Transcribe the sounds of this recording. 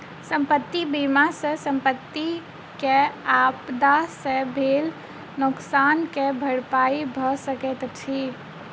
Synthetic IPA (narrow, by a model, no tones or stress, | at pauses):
səmpət̪ːibimasə̃sə̃mpət̪ːi | keapd̪asə̃bʱel | nʊksankebʱəɽpaibʱɔsəkɛt̪t͡ʃʰi